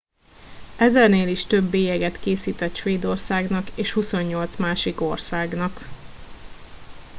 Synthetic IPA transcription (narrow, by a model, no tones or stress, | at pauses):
ɛzɛrneːliʃt̪ø̞bːeːjɛɡɛt̪keːsiːt̪ɛt̪ʃʋeːd̪o̞rsaːɡnɒkeːʃhuso̞ɲːo̞lt̪smaːʃiko̞rsaːɡnɒk